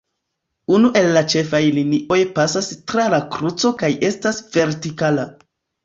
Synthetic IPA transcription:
unuʔe̞lːat͡ʃe̞fajliniʔo̞jpasastɾalakɾut͡so̞kaje̞stasve̞ɾtikala

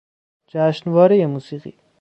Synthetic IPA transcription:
d͡ʒæʃnvɒːɾejemuːsiːqḭː

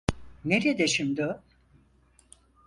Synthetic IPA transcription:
neɾed̪eʃimd̪ɪ

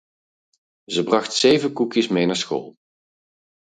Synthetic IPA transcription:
zəbrɑχtsejvənkukjəsmejnaːɹsxo̰ːlˠ

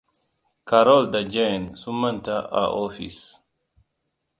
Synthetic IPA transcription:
kaɾɔld̪ad͡ʒensumɐnt̪aʔa̰ʔofḭs

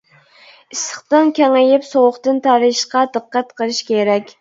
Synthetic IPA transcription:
isəχt̪ɨnkʲɛŋɪjɪpsowʊχt̪ɨnt̪ʰɑɾɨʃqɑd̪ɨqːæt̪qʰəlˠɨʃkʲeɾɛkʲ

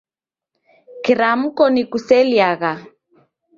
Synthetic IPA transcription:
kiɾam̩kɔnikusɛljaɣa

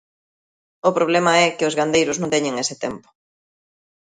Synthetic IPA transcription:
ʊpɾoβ̞lɛmɐɛkɪʊzɣand̪ejɾʊznõŋt̪ɛɲeŋesɪt̪ɛ̰mpʊ̥

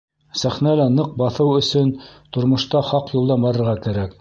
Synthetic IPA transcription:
sæχnælænɤq̚bɑθɤwɵ̆sɵnt̪ŏɾmŏʃt̪ɑχɑqjulˠd̪ɑmbɑɾɤ̆ɾʁɑkæɾæk

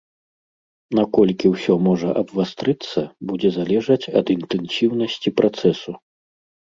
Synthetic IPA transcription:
nakɔlʲkʲiwsʲɔmɔʐɐʔɐbvast̪ɾɨt̪sːɐbud͡zʲɛzalʲɛʐɐt͡sʲɐd̪int̪ɛnsʲiwnɐsʲt͡sʲipɾʔat̪sɛsu

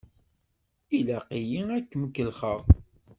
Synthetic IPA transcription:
ilæqijiækːməkːəlχəʁ

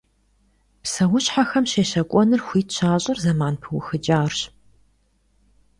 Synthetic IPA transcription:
psɐwʊɕħaxɐmɕeːɕɐkʷʼɔnɨrxʷiːtʰɕʰaːɕʼɪrzɐmaːnpʰɨwʊxɨd͡ʒʼaːrɕ

